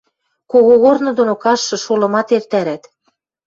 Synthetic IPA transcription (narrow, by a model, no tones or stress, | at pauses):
koɣoɣornŏd̪onokɑʃːɤ̆ʃolɤ̆mɑt̪ert̪æɾæt̪